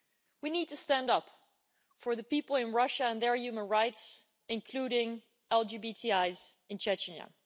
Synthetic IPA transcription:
winid̚tʰɨstæ̃ndʌp | fə˞ðɨpipl̩ˠɨ̃nɹʌʃəə̃nðə˞jʉmə̃nɹaɪts | ɨ̃nkʰl̥uɾɪ̃ŋ | ɛlˠd͡ʒibitʰiaɪzɨ̃nt͡ʃɛt͡ʃnə̰

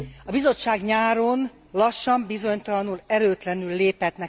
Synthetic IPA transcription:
ɒbizo̞t͡ʃːaːɡɲaːɾon | lɒʃːɒmbizo̞ɲt̪ɒlɒnulɛɾøːt̪lɛnylːeːpɛt̪nɛ

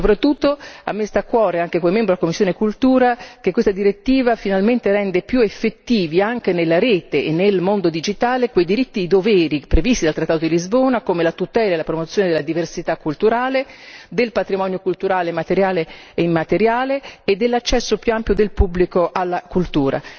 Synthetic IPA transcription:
sopɾat̪ːut̪ːoa̰mːest̪akːwɔːɾeaŋk̟ekomemɛmbɾdalakomːisːjoːnekult̪uːɾakekwest̪ad̪iɾet̪ːiːvafinalment̪eɾɛnd̪epjuefːet̪ːiːviaŋk̟enelːaɾeːt̪eːnːelmond̪od̪id͡ʒit̪aːlekwejd̪iɾit̪ːid̪id̪ovɛːɾipɾevist̪id̪alt̪ɾat̪ːaːt̪od̪ilizboːnakomelat̪ut̪ɛːlaelapɾomot̪sːjoːned̪elːad̪iversit̪akːult̪uɾaːled̪elpat̪ɾimɔnjokult̪uɾaːlemat̪eɾjaːle | eimːat̪eɾjaːleːd̪ːelːat͡ʃːɛsːopjuampjod̪elpubːlikoʔalːakult̪uːɾʔa̰

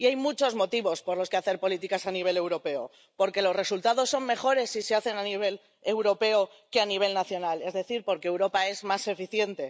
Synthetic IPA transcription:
iajmut͡ʃo̞zmo̞t̪iβo̞spoɾloskeaθe̞ɾpo̞lit̪ikasaniβ̞e̞le̞wɾo̞pe̞o̰ | po̞ɾke̞lo̞zre̞sult̪aðo̞sːo̞mme̞xo̞ɾe̞sːise̞aθe̞naniβ̞e̞l | ewɾo̞pe̞o | keaniβ̞e̞lnaθjo̞nale̞zðe̞θiɾpo̞ɾke̞ːwɾo̞pae̞zmase̞fiθje̞nt̪e̞

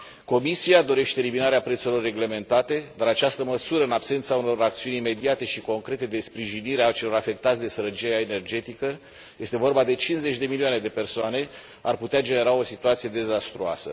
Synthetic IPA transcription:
ko̞misiad̪o̞ɾe̞ʃt̪eːliminaɾeapɾet̪suɾilo̞rːe̞ɡle̞me̞nt̪at̪e̞d̪aɾat͡ʃast̪əməsuɾəɨnapse̞nt̪sauno̞ɾakt̪siunʲime̞d̪iat̪e̞ʃiko̞ŋkɾe̞t̪e̞d̪e̞spɾiʒiniɾeat͡ʃe̞lo̞ɾafe̞k̚t̪at̪sʲd̪e̞səɾət͡ʃieaene̞rd͡ʒe̞t̪ikə | je̞st̪e̞vo̞rbad̪e̞t͡ʃinze̞t͡ʃʲd̪e̞milioane̞d̪e̞pe̞rsoane̞ | arput̪ead͡ʒe̞ne̞ɾao̞sit̪uat̪sije̞d̪e̞zast̪ɾua̰sə

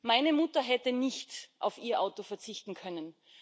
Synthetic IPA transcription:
maɪnəmʊtɐɦɛtənɪçtʔa̰ʊfiːɐʔaʊtofɛɐt͡sɪçtn̩kʰœnən

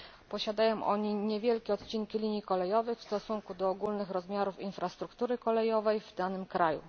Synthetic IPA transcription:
pɔɕad̪ajɔ̃w̃ʔɔɲiɲɛvʲjɛlkʲɛɔt̪t͡ɕiŋkʲilʲiɲjikɔlɛjɔvɛjfst̪ɔsuŋkud̪ɔːɡulnɘxɾɔzmʲjaɾufinfɾast̪ɾukt̪uɾɘkɔlɛjɔvɛjvd̪anɘmkɾajṵ

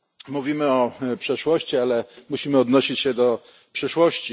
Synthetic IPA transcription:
muvʲimɘɔpʂɛʂwɔɕt͡ɕialɛmuɕimɘɔd̪nɔɕit͡ɕɕɛd̪ɔ | pʂɘʂwɔɕt͡ɕi

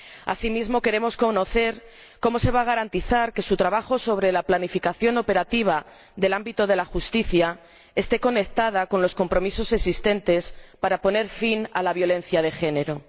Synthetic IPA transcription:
a̰simizmo̞ke̞ɾe̞mo̞sko̞no̞θe̞ɾ | ko̞mo̞se̞β̞aɣ̞aɾant̪iθaɾke̞sut̪ɾaβaxo̞so̞β̞ɾe̞laplanifikaθjo̞no̞pe̞ɾat̪iβ̞a | ðe̞lambit̪oð̞e̞laxust̪iθja | est̪e̞ko̞ne̞k̚t̪aðako̞nlo̞sko̞mpɾo̞miso̞seksist̪e̞nt̪e̞spaɾapo̞ne̞ɾfinalaβjo̞le̞n̟θjað̞e̞xe̞ne̞ɾo̞

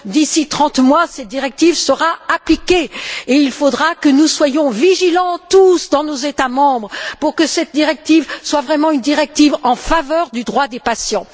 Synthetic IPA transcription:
d̪isit̪χɑ̃t̪mwasɛt̪̚d̪iʁɛk̚t̪ivsəʁaaplikʲeeilfod̪ʁakənuswajɔ̃viʒilɑ̃t̪usd̪ɑ̃nozet̪amɑ̃bʁəpuʁkəsɛt̪̚d̪iʁɛk̚t̪ivswavʁɛmɑ̃ynd̪iʁɛk̚t̪ivɑ̃favœʁd̪yd̪ʁwad̪epasjɑ̃

